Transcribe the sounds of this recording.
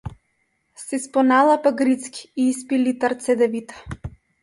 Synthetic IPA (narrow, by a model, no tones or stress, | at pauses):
sispɔnalˠapaɡɾit̪ski̥iispilit̪aɾt̪sɛd̪ɛvit̪ḁ